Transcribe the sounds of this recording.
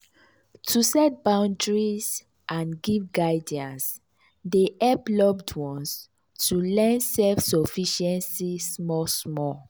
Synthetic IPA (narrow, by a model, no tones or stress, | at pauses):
tʰusɛt̚bãʊ̃ndɹis | ʔãnɡivɡaɪdiãns | deʔɛblɔbdwɔ̃ns | tʰulɛ̃nsɛlfsɔfiʃɛ̃nsismɔsmɔ